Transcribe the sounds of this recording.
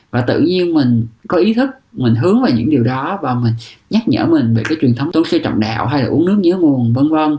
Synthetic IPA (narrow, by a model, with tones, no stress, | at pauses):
vaː˨˩t̪ɨ̰˧˨ɲi˧ənmï˨˩ŋ̟kɔ˨˦ʔi˨˦t̪ʰɨ˦˥k̚mï˨˩ŋ̟ɦɨ˨˦əŋvaː˨˩wɲɨ̰˧˥ŋɗi˨˩əwɗɔ˨˦vaː˨˩mï˨˩ŋ̟ɲa˦˥t̚ɲə̰ː˧˩mï˨˩ŋ̟ve˨˩kaː˨˦jt͡ɕwi˨˩ənt̪ʰə˨˦wŋ͡mt̪o˨˧˦nsɨ˧t͡ɕɔ̰˧˨wŋ͡mɗa̰ː˧˨wɦa˧jlaː˨˩ʔu˨˦ənɨ˦˥k̚ɲɨ̰˧˥˦ŋu˨˩ənvə˧nvə˧n